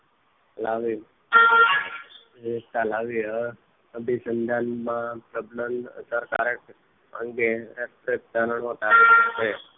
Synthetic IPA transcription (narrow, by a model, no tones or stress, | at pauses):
laʋi | et̪alaʋiə | bisənd̪ʱanmãpɾəbləmsəɾka̰ɾeʈ | ə̰ŋɡeətɾek̚d̪aɾəɳɦot̪ase